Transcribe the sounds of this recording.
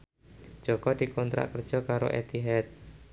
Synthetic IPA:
d͡ʒ̥ɔɡɔdikɔnt̪ɾa̰ʔkər̥d͡ʒɔkaɾo̰ʔɛ̰t̪iɦɛt̪̚

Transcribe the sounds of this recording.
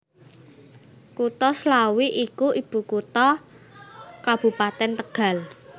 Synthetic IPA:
kut̪ɔslawiʔikuʔib̥ṳkut̪ɔ | kab̥ṳpat̪ɛnt̪əɡ̥a̤l

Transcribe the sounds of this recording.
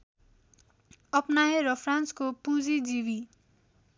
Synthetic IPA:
ʌpnaeɾʌpʰranskopũd͡zid͡zibi

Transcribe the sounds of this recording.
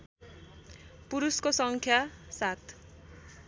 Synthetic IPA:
puɾuskosʌŋkʰjasat̪

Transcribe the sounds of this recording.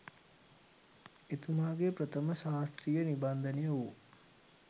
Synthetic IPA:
et̪umaːɡepɾət̪əməʃaːst̪ɾijəniband̪ənijəu

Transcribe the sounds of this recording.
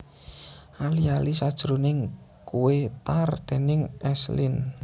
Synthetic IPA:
ʔalialisad̥ʒ̥ɾunɪŋkuwet̪ard̪̥e̤nɪŋɛslin

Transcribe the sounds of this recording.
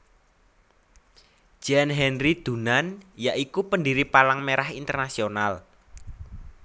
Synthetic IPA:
d͡ʒ̥anɦɛnrid̪̥ṳnanjaʔikupəndiɾipalaŋmeɾahint̪ərnasional

